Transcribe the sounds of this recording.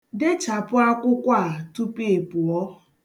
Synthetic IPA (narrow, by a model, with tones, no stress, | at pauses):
dɪ˦t͡ʃa˨pʊ˦a˦kʷʊ˦kʷa˦˨tu˦pi˦e˨pʊ˨ɔ˦